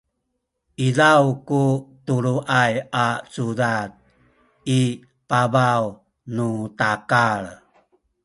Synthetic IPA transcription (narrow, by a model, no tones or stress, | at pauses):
ʔizawkutuɾuʔajat͡sudat̪̚ | i | pabaw | nutakaɭ